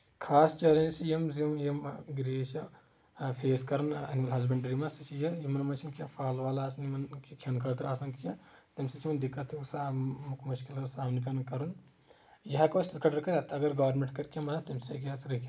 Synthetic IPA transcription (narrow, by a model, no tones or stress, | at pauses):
kʰaːst͡ʃɐɾɐ̃nsijɐmzimjɐmɡɾeːʃɐ | pʰeːskɐɾɐnɐnimɐlɦɐzbɐɳɖɐɾimɐsɐt͡ʃʰijɐjimɐnmɐnt͡ʃʰinkiɐpʰaːlʋaːlaːsɐnimɐnkikʰɐnkʰɐt̪ɾaːsɐnkijɐ̃t̪ɐmsɐt͡ʃʰimɐnd̪ikːɐt̪ʰsamkmɐʃkilɐsaːmnik̬ʲɐnɐkɐɾun | jɐɦɐkoːsɐkʰɐɖɐɾkɐɾɐt̪ɐɡɐɾɡɐːʋɾmẽɳʈkɐɾkʲãmɐnɐt̪ɐmseːkʲijaːt̪ʰɾɐkʲ